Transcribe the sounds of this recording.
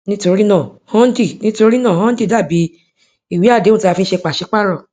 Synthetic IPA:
nĩ˦to˧ɾi˦nãː˦˨hɔ̃˦n̩˦di˦˨nĩ˦to˧ɾi˦nãː˦˨hɔ̃˦n̩˦di˦˨da˦˨bi˨˦ | i˦˨wi˨˦a˦˨dẽ˨˦˨ta˧fĩ˧˦ʃe˧k͡pa˨ʃi˨˧˦k͡pa˦ɾɔ˦˨

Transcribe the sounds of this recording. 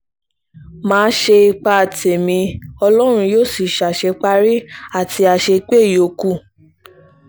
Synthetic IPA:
mãː˨˦ʃe˧i˧k͡pa˧˨te˨mĩ˧ɔ˧lɔ˦ɾ̃ũ˧joː˦˨si˨ʃa˨ʃe˧k͡pa˦ɾi˦a˦˨tʰi˧a˧ʃe˧k͡pe˦˨jo˨ku˦˨

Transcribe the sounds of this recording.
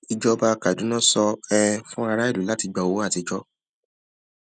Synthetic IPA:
i˧d͡ʒɔ˦ba˦˧ka˨dũ˨˦nã˦sɔ˧ɛ˦˧fũ˦a˧ɾa˦i˦˨lu˨˦la˦ti˧ɡ͡ba˧˨o˨˦a˦˨ti˧d͡ʒɔ˦

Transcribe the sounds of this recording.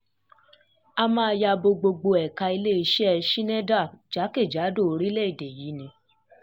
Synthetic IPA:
a˧mã˦˧a˧ja˧bo˧ɡ͡bo˧ɡ͡bo˧ɛ˨ka˧i˧le˦i˧ʃɛ˦ɛ˧ʃi˦nɛ̃˦da˦˨d͡ʒa˨˦ke˦˨d͡ʒa˨˦do˦˨o˨˧ɾi˦le˦i˦˨de˨ji˨˦nĩ˧

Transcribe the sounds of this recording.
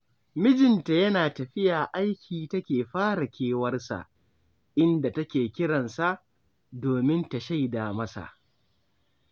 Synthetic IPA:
mɪ˦d͡ʒɪ˨nta˨jɐ˦naː˨tɐ˨ɸɪ˦jaː˨ʔa˦jkʲʰiː˨tɐ˦kʲeː˨ɸaː˦ɽa˨kʲʰeː˦wɐ˦rsa̰˨ʔ | ʔɪ˦nda˨tɐ˦kʲeː˨kʲɪ˦ɽɐ˨nsa˦ʔ | doː˨mɪ˦nta˨ʃa˦jda˨mɐ˦sa̰˨ʔ

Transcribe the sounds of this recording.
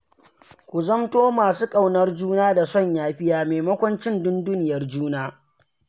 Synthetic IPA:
kʷu˨zɐ˦mtoː˦maː˨suː˦kʼa˦wnɐ˦rd͡ʒuː˦naː˦da˨sɔ˦˨ɲjaː˦ɸɪ˦jaː˦meː˨mɐ˦kʷɔ˦nt͡ʃɪ˦ndʊ˦nduː˦nɪ˨jɐ˦rd͡ʒuː˦naː˦

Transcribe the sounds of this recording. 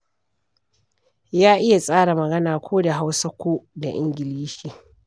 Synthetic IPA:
jaː˦ʔɪ˦ja˨sʼaː˦ɽa˨mɐ˨ɡɐ˦naː˨kʷoː˦da˨ɦa˦wsɐ˦kʷoː˦da˨ʔɪ˦ŋɡʲɪ˨liː˦ʃiː˨

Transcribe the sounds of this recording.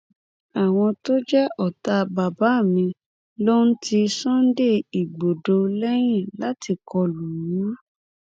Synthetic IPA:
a˨w̃ɔ̃˧to˦d͡ʒɛ˦ʔɔ˨ta˧ba˨ba˨˦˨mĩ˧ | lo˦n̩˦tʰi˧sɔ̃˦n̩˦de˦˨i˨ɡ͡bo˨do˧lɛ˦j̃ĩ˦˨la˨˦ti˧kɔ˧lu˨˦ã˦

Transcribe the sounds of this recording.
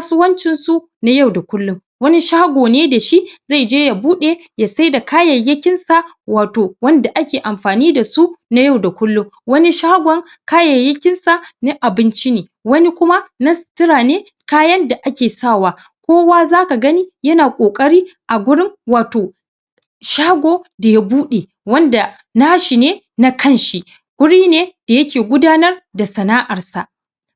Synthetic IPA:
sʊ˦wɐ˦nt͡ʃɪ˦nsu˦ | na˦ja˦˨wda˨kʷʊ˦lːʊ˦ | wɐ˦ni˦ʃa˦ha˦ɡʷoː˨neː˦da˨ʃi˦ʔza˦˨d͡ʒeː˦ja˨buː˦ɗe˦ja˨sa˦jda˨kaː˦jɐ˨jːɐ˦kʲɪ˦nsa˨ | waː˨toː˨wɐ˦nda˨ʔa˦kʲeː˨ʔa˨mɸaː˨niː˦da˨su˦na˦ja˦˨wda˨kʷʊ˦lːʊ˦ŋ | wɐ˦ni˦ʃa˦ha˦ɡʷɔ˨ŋ | kaː˦jɐ˨jːɐ˦kʲɪ˦nsa˨neː˦ʔa˨bɪ˦nt͡ʃi˦neː˨wɐ˦ni˦kʷʊ˦ma˦na˦˨tɪ˦ɽaː˨neː˦ | kaː˦jɐ˦nda˨ʔa˦kʲeː˨saː˦˨waː˨ | kʷoː˦waː˦zaː˦ka˨ɡɐ˦niː˦jɐ˦naː˨kʷʼoː˨kʼɐ˦ɽiː˦ʔa˨ɡʷʊ˦ɽɪ˦ŋwaː˨toː˨ | ʃaː˦ɡʷoː˦da˨ja˦buː˦ɗe˨ | wɐ˦nda˨ | na˦ʃi˨neː˦ | na˦kɐ˦˨nʃi˦ | ɡ̥ʷʊ˦ɽiː˦neː˦d̥a˨jɐ˦kʲeː˨ɡʷʊ˦daː˦nɐ˦rda˨sɐ˨naː˦ʔɐ˨rsa˨ʔ

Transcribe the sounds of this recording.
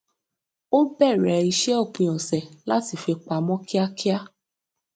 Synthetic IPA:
o˦bɛ˦˨ɾɛ˨i˧ʃɛ˦ɔ˦˨k͡pĩ˧j̃ɔ̃˨sɛ˨la˦ti˦˨fe˧k͡pa˧mɔ̃˦ki˦a˦ki˦a˦

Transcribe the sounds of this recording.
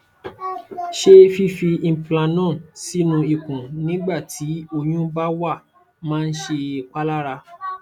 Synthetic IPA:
ʃe˦fi˦fĩ˧˨plã˧nã˦˨si˦nũ˧i˧˨kũ˨nĩ˦ɡ͡ba˦˨tʰi˨˦o˧j̃ũ˦ba˦wa˦˨ | mãː˦˧n̩˦ʃe˧˨k͡pa˦la˦ɾa˧

